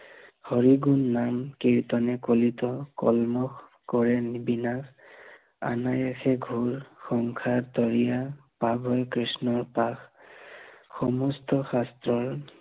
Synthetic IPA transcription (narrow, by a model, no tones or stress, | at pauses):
hɔɹiɡunːamkiɹt̪ɔnɛkolitɔkɔ̰lmɔx | kɔɹɛnibinak | a̰najɛxʰɛɡʱuɹxɔŋkʰat̪ɔɹijapabʱɔjkɹisnɔɹpax | xɔmɔstɔxastɹɔɹ